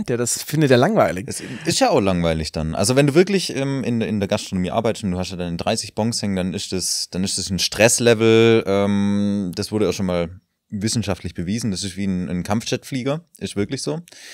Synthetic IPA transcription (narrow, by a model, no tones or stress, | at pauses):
teːdasfɪndəteːɐlaŋvaɪlɪɛsɛɪstjaːaʊxlaŋvaɪlɪçd̥anʔa̰lzovɛnduːvɪɐklɪçʔɛːmɪnɪ̰ndeːɐɡastʁ̥onomiːʔa̰ɐbaɪtə̥stʊntd̥uːhastjadaɪnədʁaɪsɪçb̥ɔŋkshɛŋnd̥anɪstd̥asd̥anɪstd̥asn̩ʃtʁ̥ɛslɛvl̩ʔɛːmd̥asv̥ʊɐɾəaʃoːnmaːl | vɪsn̩ʃaftlɪçb̥əviːzn̩d̥asɪstviːnnkʰamft͡ʃɛtfliːɡɐʔɪstvɪɐklɪçz̥oː